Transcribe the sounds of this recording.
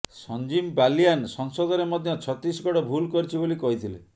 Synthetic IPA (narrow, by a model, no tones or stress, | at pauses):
sɔnd͡ʒimbalijansɔŋsɔd̪ɔɾemɔd̪ʱjɔt͡ʃʰɔt̪ɾisɡɔɽɔbʱulkɔɾit͡ʃʰibolikɔɦit̪ʰilḛ